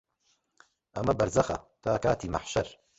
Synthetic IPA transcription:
ʔɐmɐbɐɾzɐxɐ̰t̪ʰaːkaːt̪iːma̰ħʃɐɾ

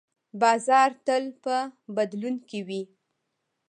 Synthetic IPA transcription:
bɑzɑɾt̪əlpəbad̪lunkewi

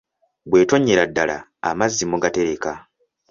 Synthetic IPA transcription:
bwe̞ːto̞ɲːeɾadːala̰ːmazːimuɡate̞ɾe̞ka

